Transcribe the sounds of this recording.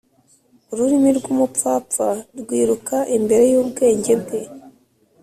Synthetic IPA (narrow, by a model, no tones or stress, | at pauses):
uɾuɾimiɾɡuːmuaːp͡faɾɡwiːɾukaʔimbe̞ɾe̞juːbɡe̞ːɲɟe̞ɾɡe̞